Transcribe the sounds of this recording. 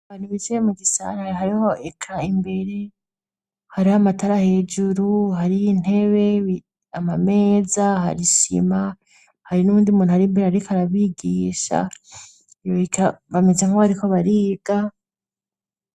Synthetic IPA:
βanuβizeemuɡisa̰ɾahaɾiho̞ʔekʰaimbe̞ɾe̞ | haɾihamataɾahe̞d͡ʒuɾuɦaɾijin̥e̞βe̞ | amame̞ːzaɦa̰ɾiʃḭma | haɾinuβuːndiumuːnuhaɾiːmbeɾehaɾikʰaɾaβiɡiːʃa̰ | joikʰaβamezeŋkohaɾiko̞βaɾiːɡ̥a

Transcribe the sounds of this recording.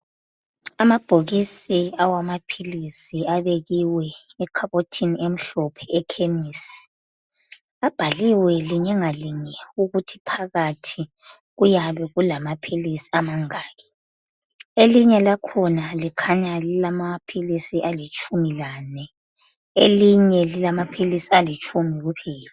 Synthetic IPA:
amab̥ʱoɣisiawamapʰilisiaβeɣiwɛɛkʰaβotʰiniem̩ɬɔpʰɛɛkʰemiːsi̥ | ab̥ʱaliwɛliɲɛŋaliɲɛuɣutʰi̥pʰaɣatʰi | ɣujaβɛɣulamapʰilisi̥amaŋaːɣɛ | eliɲɛlakʰɔnalikʰaɲalilamapʰilisiʔalit͡ʃʼumilanɛ | ḛliɲɛlilamapʰilisialit͡ʃʼumiɣupʰiːla

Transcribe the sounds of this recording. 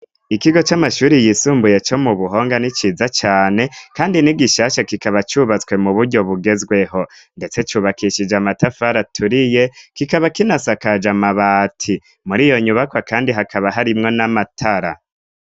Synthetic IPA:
ikiɡo̞t͡ʃamaʃuːɾijisuːmbuje̞t͡ʃo̞muβuɦo̞ːŋɡanit͡ʃiːzat͡ʃaːne̞kaːndiniɡiʃaːʃakikaβat͡ʃuβat͡swe̞muβuɾɟo̞βuɡe̞zɡwe̞ɦo̞nde̞t͡se̞t͡ʃuβakiʃid͡ʒamatafaɾatʰuɾije̞kikaβakinasakad͡ʒamaβaːtʰi | muɾijo̞ɲuβakwakaːndiɦakʰaβaɦaɾimŋo̞namatʰaɾa

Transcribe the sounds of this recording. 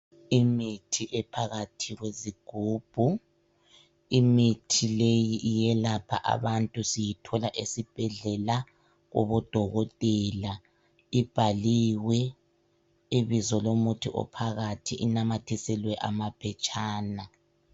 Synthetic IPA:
imitʰiʔɛpʰaɣatʰiɣweziɡ̥ʱuːb̥ʱu | imitʰilejiʔijɛlapʰa̰ʔa̰βantʼusijitʰɔlaʔesib̥ʱɛɮɛla | ɣɔ̰βɔd̥ʱɔɣɔtʼɛla | ib̥ʱaliwɛ | iβizɔlomutʰiʔɔ̰pʰaɣatʰiʔinamatʰisɛlwɛʔamapʰɛt͡ʃʼaːna

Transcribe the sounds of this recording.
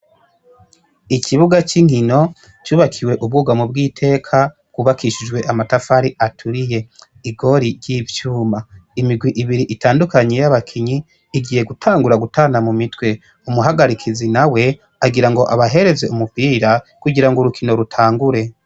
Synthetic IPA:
ikʰiβuɡat͡ʃiŋhino̞ | t͡ʃuːβakʰiwe̞ʔub̚ɡuːɡamub̚ɡiːtʰe̞ːkʰabɡ̥uβakʰiʃid͡ʒɡwe̞ʔamatafaɾiʔatʰuɾije̞ | iɡo̞ɾiɾjivjuːmaimiɡwiʔiβiɾiʔitaːndukaɲe̞jaβakʰiɲiː | ɡiːje̞ɡutʰaːŋɡuɾaɡutʰaːnamumitwe̞ | umuɦaɡaɾikʰizinawe̞ | aɡiɾaŋɡo̞ʔaβaɦe̞ɾe̞ze̞umupiːɾakuɟiɾaŋɡoɾukʰino̞ɾutʰaːŋɡuɾe̞

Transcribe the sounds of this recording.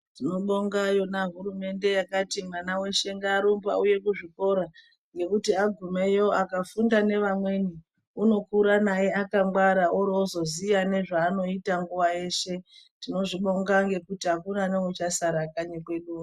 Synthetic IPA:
tino̞ɓo̞ŋɡajo̞naɦuɾume̞nde̞jakatimwanawe̞ʃe̞ŋɡaːɾombauje̞kuʐiko̞ɾa | ŋɡe̞kutiaɡʱume̞jo̞akafundane̞ʋamwe̞ni | uno̞kuɾanaje̞akamwaɾauɾozo̞zijane̞ʐaːno̞itaŋɡuʋaje̞ːʃe̞tino̞ʐiɓo̞ŋɡaŋɡe̞kutiakunanewut͡ʃasaɾakaɲekwe̞ɗuːa

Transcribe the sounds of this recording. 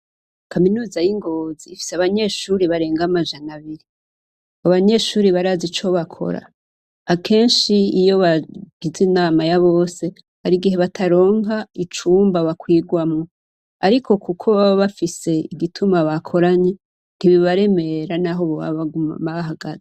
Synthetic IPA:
kʰaminuːzajiŋɡo̞ziːfi̥seaβaɲe̞ʃuːɾiβaɾe̞ːŋɡamaʒanaβiɾi | aβaɲe̞ːʃuːɾiβaɾazit͡ʃo̞βakʰo̞̰ɾa̰ː | kʰe̞ːnʃiijo̞βaɡ̥izinaːmajaβo̞ːse̞ | haɾiɡihe̞βatʰaɾo̞ːŋɡait͡ʃuːmbaβakwiːɡwamŋo | aɾikʰo̞kukʰo̞βaβoβafise̞iɡitʰumaβakʰo̞ɾaɲe | n̥iβiβaɾe̞me̞ɾanaɦo̞βoβa̰βaɡuma̰maβaɦaɡaze

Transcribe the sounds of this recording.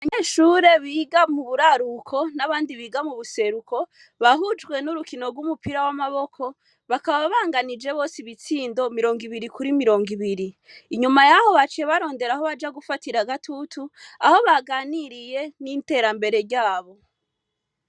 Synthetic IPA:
aβaɲeːʃuːɾe̞βiːɡamuβuɾaɾukʰo̞naβaːndiβiːɡamuβuse̞ɾukʰo̞ | βaɦud͡ʒɡwe̞nuɾukino̞ɾɡwumupiɾawamaβo̞kʰo̞ | βakaβaβaβaːŋɡanid͡ʒe̞βo̞ːsiβit͡siːndo̞miɾo̞ŋɡiβiɾikuɾimiɾo̞ːŋɡiβiɾiː | ɲumajaho̞βat͡ʃieβaɾo̞ːnde̞ɾaho̞βad͡ʒaɡufatiɾaɡatʰutʰuaho̞βaɡaːniɾije̞nite̞ɾambe̞ɾe̞ɾɟaːβo̞

